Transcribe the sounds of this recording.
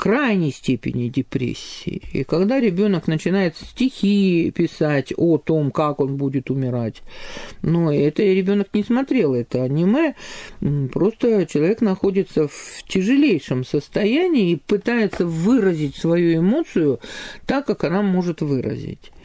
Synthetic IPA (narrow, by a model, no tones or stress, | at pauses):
kɾajnʲɪjsʲtʲepʲɪ̰nʲɪdʲɪpɾʲḛsʲːɪ̰ːḭkɐɡd̪aɾʲɪbʲo̞nəknət͡ɕɪnajɪt̪sʲtʲɪxʲipʲɪsatʲot̪o̞mkako̞nbudʲɪt̪ʊmʲɪɾatʲnoɛt̪əɾʲɪbʲo̞nəknʲɪsmɐt̪ɾʲe̞lˠɛt̪əɐnʲɪmɨ | pɾo̞st̪ət͡ɕɪlˠɐvʲeknɐxo̞dʲɪt̪səftʲɪʐɨlʲejʂɨmsəst̪ɐjænʲɪːpɨt̪ajɪt̪səvɨɾəzʲɪtʲsvɐjuɪmo̞t̪sɨjʊt̪akːakɐnamo̞ʐɨt̪vɨɾə̰zʲɪ̰tʲ